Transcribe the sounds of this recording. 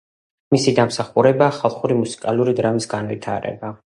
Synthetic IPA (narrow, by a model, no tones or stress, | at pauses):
misid̪amsaχuɾɛbaːχalˠχuɾimusi̥kʼalˠuɾid̪ɾamisɡanvit̪ʰaɾɛ̰ba